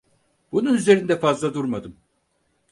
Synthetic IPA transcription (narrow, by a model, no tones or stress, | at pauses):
bununyze̞ɾind̪ɛfazlˠad̪uɾmad̪ɯm